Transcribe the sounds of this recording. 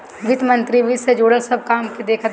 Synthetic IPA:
ʋɪt̪mɐ̃nt̪ɾiʋɪt̪sed͡ʒoːɽəsɐb̚kaːmkid̪eːkʰət̪

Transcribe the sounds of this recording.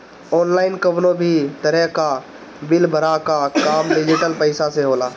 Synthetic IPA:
ɔːnlaːɪnkəʋnõbʱit̪ɐɾɛka | bɪlbʱəɾakakaːmɖɪd͡ʒɪʈəlpəɪsaseɦoːlaː

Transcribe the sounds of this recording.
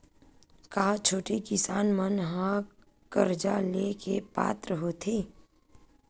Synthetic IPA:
kaːt͡ʃʰoːʈikɪsaːnmənɦã | kəɾd͡ʒaleːkepa̰ːt̪ɾəɦoːt̪ʰeː

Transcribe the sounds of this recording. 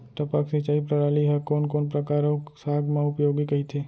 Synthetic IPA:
ʈ̪ɐpaksɪt͡ʃaːipɾəɾaːliɦɛkoːnkoːnpɾəkaːɾõksaːɡmãʊpjoːɡikɐɦit̪ʰeː

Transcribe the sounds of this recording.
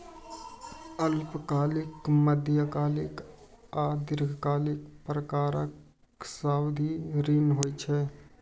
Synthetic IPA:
əlpkaːlɪkməd̪jəkaːlɪk | aːd̪ɪɾɡʱkaːlɪkpɾəkaːɾək | saːwd̪ʱiɾinɦoːjt͡ʃʰɛ

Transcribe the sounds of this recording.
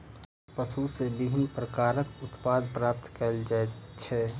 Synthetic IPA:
pəsusebɪbʱɪnpɾəkaːɾəkʊt̪paːd̪̚pɾaːp̚t̪kəld͡ʒat͡ʃʰɛː

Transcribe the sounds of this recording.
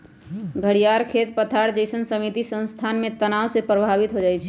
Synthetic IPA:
ɡʱəɽijaɾkʰet̪pət̪ʰaɽd͡ʒəɪsənsəmit̪isə̃nst̪ʰanmẽt̪ənawsepɾəbʱabit̪ɦod͡ʒajt͡ʃʰɛ

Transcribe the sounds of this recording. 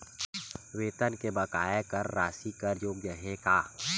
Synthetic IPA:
wet̪ənkebəkajakərːasikəɾjokd͡ʒəɦɛka

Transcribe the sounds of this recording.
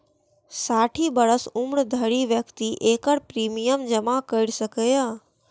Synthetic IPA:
saːʈʰibɐɾəsʊmɽd̪ʱəɽiʋjəkt̪iʔeːkəɽpɾiːmijəmd͡ʑɐmakəɪɽsɐkəjaː

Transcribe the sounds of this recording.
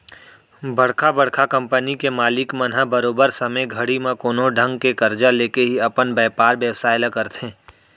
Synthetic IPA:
bɐɽkʰabəɽkʰakə̃mpənikemaːlɪkmənɦabəɾoːbəɾsɐməjɡʱəɽimẽkoːnoɖʱə̃ŋɡkekəɾd͡ʒaleːkeɦiɐpənbɛːpaːɾbjəwsaːɪləkəɾt̪ẽː

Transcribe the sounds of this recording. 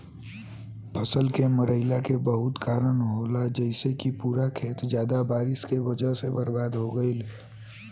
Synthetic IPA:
pʰəsəlkeməɾəɪlakebəɦʊt̪kaːɾənɦolad͡ʒəɪsekipuːɾakʰeːt̪d͡ʒjaːd̪abaːɾɪskeʋəd͡ʒəɦsebəɾbaːd̪ɦoɡəil

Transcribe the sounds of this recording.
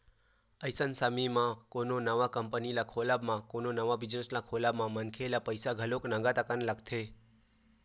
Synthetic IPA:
əjsənsamimãkononəʋakəmpənilakʰolabmãkononəʋabid͡ʒneslakʰolabmãmənkʰelapəjsaɡʱəloknə̃ŋɡat̪əkaneləɡt̪ʰe

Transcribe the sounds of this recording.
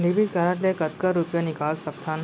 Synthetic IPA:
nibid͡ʒkaɾaʈlekət̪kəɾːupjanikalsək̚t̪ʰan

